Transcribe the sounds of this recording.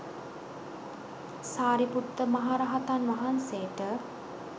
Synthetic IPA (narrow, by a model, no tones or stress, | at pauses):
saːɾiput̪ːəmaɦaːɾaɦat̪anʋɐɦanseːʈə